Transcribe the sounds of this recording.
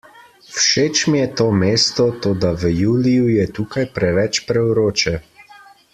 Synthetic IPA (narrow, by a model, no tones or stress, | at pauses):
wʃeːt͡ʃmjɛt̪oːmeːst̪ɔt̪oːd̪aʋəjuːlijujɛt̪uːkajpɾɛʋɛt͡ʃpɾɛwɾoːt͡ʃɛ